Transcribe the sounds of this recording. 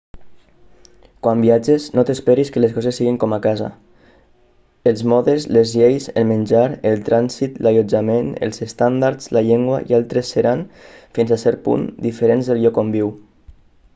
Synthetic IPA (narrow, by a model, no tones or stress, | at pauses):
kwambiad͡ʒeznot̪espeɾiskəleskɔzesːiɣiŋkɔmakaza̰ | əlˠzmɔðezlezʎejzə̰lmənʲd͡ʒaɾəlˠt̪ɾansit̪laʎod͡ʒamenə̰lˠzest̪and̪aɾzlaʎeŋɡwa̰ḭalˠt̪ɾesːeɾanfinzasɛɾpṵnd̪ifəɾenzðəlʎɔkombiw